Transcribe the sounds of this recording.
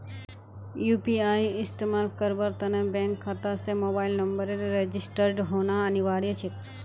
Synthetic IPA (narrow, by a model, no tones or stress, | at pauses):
juːpiaiɪst̪emaːlkəɾbəɾt̪ɐnəbɛ̃ŋkʰːat̪asemobailnəmbəɾeɾɾed͡ʒisʈəɾɖɦonaəniʋaɽjət͡ʃʰet̪